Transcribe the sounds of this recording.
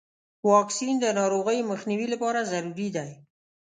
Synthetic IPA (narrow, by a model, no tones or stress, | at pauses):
wɑksind̪ənɑɾoɣəjoməxniwilapɑɾazaɾuɾid̪aj